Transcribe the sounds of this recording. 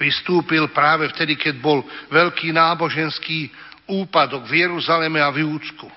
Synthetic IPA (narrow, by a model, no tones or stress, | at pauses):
ist̪uːpilpɾaːʋɛft̪ɛd̪ikɛɟbɔlʋɛʎkiːnaːbɔʒɛnskiː | uːpad̪ɔɡvjɛɾuzalɛmɛavjuːt͡sku